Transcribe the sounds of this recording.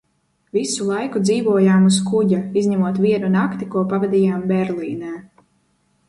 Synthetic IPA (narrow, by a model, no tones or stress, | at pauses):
visulˠajkud̪ziːvuɔjaːmuskuɟaizɲɛmuɔt̪vʲiɛnunakt̪ikuɔpavɛd̪ʲiːjaːmbɛɾliːnɛː